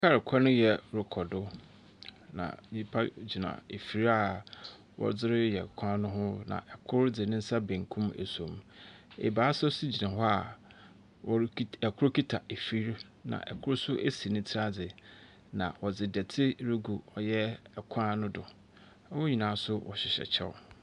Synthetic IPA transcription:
kʰa˦ɾɪ˨kʰɔ˦nʊ̃˦jɛ˨ɾʊ˨kʰɔ˨dʊ˦ | nã̰˨ɲĩ˦pʰa˦d͡ʑi˨nã̰˨e˨fi˨ɾa˨ | wɔ̰˦d͡zɪ˦ɾɪ˦jɛ˨kʷʰã˦nʊ̃˦ɦʊ̃˦nã̰˨ʔɛ˨kʰʊ˦ɾd͡zɪ˨nɪ̃˦n̩˦sa˦bẽ˨ŋ˨kʰũ˦mḛ˨sõ˨mḛ˨baː˨˦sʊ˦si˦d͡ʑi˨nã˨hɔ˦a˨ | wɔ˨˦ɛ˨kʰʊ˦ɾkʰi˦tʰa˨e˨fi˦ɾ | nã̰˨ʔɛ̰˨kʰʊ˦ɾsʊ˦ʔe˦si˨nɪ̃˦tʰɾa˦d͡zɪ˨ | nã̰˨wʔɔ˨d͡zɪ˨dɛ˨tʰɪ˦ɾe˦ɡu˨ɔ˨jɛ˦ɛ˨kʷʰã˦nʊ̃˦dʊ˨ | a˦wɔ˦ɲi˨nãː˨˦sʊ˦wʔɔ̰˨ɕɪ˨ɕɛ̰˨t͡ɕʰɛ̰˦˨

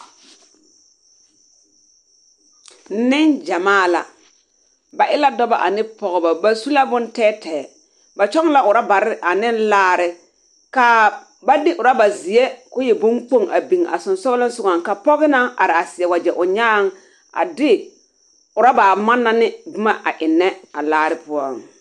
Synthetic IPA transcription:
nɪ˦nd͡ʒa˨maː˦˨la̰˨ | ba˨ʔɪ˦la˦dɔ˦ba˨ʔa˨nɪ˦pɔ˨ɣɔ˨ba˨ba˨su˦la˦bʊ˦n˦tɛː˦tɛː˨ | ba˨t͡ʃɔ˦ŋ˦la˦ʔʊ˨ɾa˦ba˨ɾɪ˦ʔa˨nɪ˦nlaː˦˨ɾɪ˦ | ka˨ | ba˦dɪ˦ʔʊ˨ɾa˦ba˨zɪ˨ɛ˦kʊ˦jɛ˨bʊ̃˦mk͡po˦ŋa̰˨bi˨ŋ˨a̰˨sʊ˨nsɔ˦lɪ˦nsʊ˦ɡa˨ŋ˨ka˨pɔ˦ɣɪ˦na˦a˨ɾɪ˨a˨sɪ˨ɛ˨wa˨d͡ʒɛ˨ʔʊ˨ɲaː˦˨ŋ˦ | a̰˨dɪ˦ | ʊ˨ɾa˦ba˨ma˦nːa˦nɪ˦bɪ˦ma˦ʔa˨ʔɪ˨nːɛ˦a˨laː˦ɾɪ˦pʊ˦ɔ̰˦˨ŋ

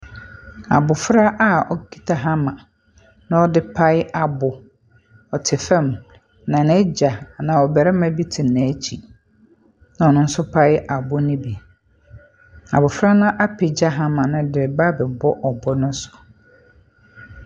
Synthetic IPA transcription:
a̰˨bʊ˨fɾa˦ʔa˦˨ɔ˦ki˦tʰa˨ɦa˦mã˨ | nã˦ɔ˦dɪ˦pʰa˦ɪ˦ʔa˨bʊ˨ | ɔ˨tʰɪ˨fɛ̃˦˨m | nã˨nɛ˦d͡ʑa˨nã˨ɔ˨bɛ˨ɾɛ˦mã˦bi˦tʰɪ˨nːɛ̃˨˦t͡ɕʰi˨ | nã˨ɔ˨nʊ̃˦n̩˦sʊ˦pʰa˦ɪ˦ʔa˨bʊ˦nɪ̃˦bi˨ | a̰˨bʊ˨fɾa˦nʊ̃˦ʔa˦pʰɪ˨d͡ʑa˦ɦa˦mã˨nʊ̃˦dɪ˨ba˦bɛ˨bɔ˦ʔɔ˨bɔ˦nʊ̃˦sʊ̥˨

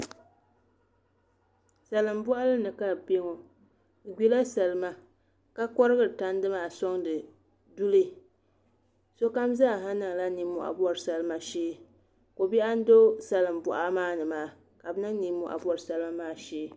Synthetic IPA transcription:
sa˨lɨ˨mbɔ˦ʔa˦lɨ˦nɨ˨ka˦be˦ŋo˨ | ɡi˦la˦sa˨lɨ˦ma˦ | ka˦kɔ˦ɾɨ˦ɡɨ˦ɾɨ˨ta˦n˦dɨ˦maː˨sɔ˦ŋdɨ˨ | du˦lɨ˦ | so˦ka˦mza˦˨ɦa˦nɨ˨ŋ˨la˦ni˨mʊ˨ʔa̰˨bɔ˦ɾɨ˨sa˨lɨ˦ma˨ʃeː˦ | ko˨bi˦ʔa˦n̩˦do˦sa˨lɨ˨m˨bɔ˨ʔa˦maː˦nɨ˨maː˨˦ | ka˨bɨ˦nɨ˦ŋ˦ni˨˦mːʊ̰˦ʔa̰˨bɔ˦ɾɨ˨sa˦lɨ˦ma˦maː˦˨ʃeː˦

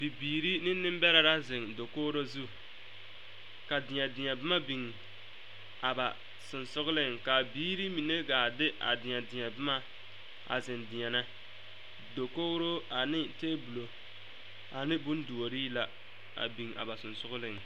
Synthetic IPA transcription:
b̥i˨biː˨ɾi˦nɪ˦nːɪ˦m˦bɛ˦ɾa˦ɾa˦zɪ˨ŋdo˨koː˦ɾo˦zu˦ | ka˨dɪ˨ɲa˨dɪ˨ɲa˨bɪ˦ma˦bi˨ŋ | a˨ba˨ | sʊ˨nsʊ˦ɣʊ˦lɪ˦ŋka˨biː˦ɾi˦mi˨ne˦ɡaː˨dɪ˦ʔa̰˨dɪ˨ɲa˨dɪ˨ɲa˨bɪ˦ma˦ | a̰˨zɪ˨ndɪ˨ɲa˨na˦ | do˨koː˦ɾo˦a˨nɪ˦teː˦bu˨lo˨ | a˨nɪ˦bʊ˦ndu˨o˨ɾiː˦la˨ | a̰˨bi˨ŋa̰˨ba˨sʊ˨nsʊ˦ɡʊ˦lɪ˨ŋ

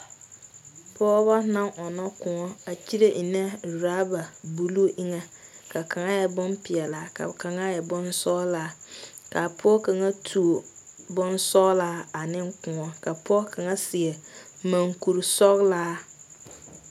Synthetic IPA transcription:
pɔː˦ba˦nã˦ŋʔɔ˨nɔ˦kʊ̃˨ŋɔ˦a˨t͡ʃi˦ɾe˦ʔi˨nɛ˦˨ɾaː˦ba˨bu˨lu˦ʔi˦ŋɛ˦ka˨ka˨ŋa˦jɛ˨bɔ˦mpɪ˨ɛ˨la˨˦ka̰˨ka˨ŋa˦jɛ˨bɔ˦nsɔ˦laː˦ka˨pʰʊ˦ɔ˦ka˨ŋa˦tʰu˨o˨ | bɔ˦nsɔː˦laː˦a˨nɪ˦ŋkʊ̃˨ŋɔ˦ka˨pɔ˦ka˨ŋa˦sɪ˨ɛ˨ma˨ŋku˨ɾsɔ˦ɣlaː˦

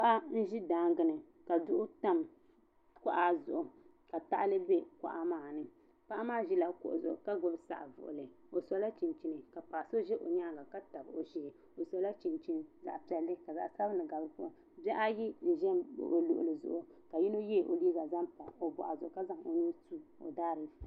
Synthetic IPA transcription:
a˦ʔa˦n̩˦ʒi˦daː˦ŋɡɨ˨nɨ˨ | ka˨dʊ˦ʔʊ˦ta˦m | kɔ˦ʔa˨zʊ̰˨ʔʊ˨ | ka˨ta̰˦ʔlɨ˦be˦ka̰˨ʔa˦maː˨nɨ˦ | pa˦ʔa˦maː˦ʒi˦la˦kʊ̰˨ʔʊ̰˨zʊ̰˨ʔʊ̰˨ka˦ɡʊ˦bsa̰˨ʔvʊ̰˨ʔʊ̰˨lɨ˨ | o˨sɔ˨˦la˦t͡ʃi˨nt͡ʃi˦nɨ˨ka˨paː˨so˦ʒɛ˦ʔo˨ɲaː˦˨ɡa˨ka˦ta˨bo˨ʒi˦hɪ˨ | o˨sɔ˨˦la˦t͡ʃi˨nt͡ʃi˦nza̰˨ʔpi˨ɛ˨lːɨ˦ka˨za̰˨ʔsa˦bɨ˦nɨ˨ɡa˨bɨ˦ɾɨ˦po˦ʔ | bɛ˦ʔa˦ji˦n̩˨ʒɛ˦mb̰ʔo˨lʊ̰˨ʔlɨ˨zʊ̰˨ʔʊ˨ka˨ji˦no˦jɛ˦˨ʔo̰˨liː˦ɡa˨za˦mpa˨o˨bɔ̰˨ʔa˨zʊ˨ʔʊ˨ka˦za˦ŋo̰˨nu˦tu˦o̰˨daː˦ɾɨ˦˨

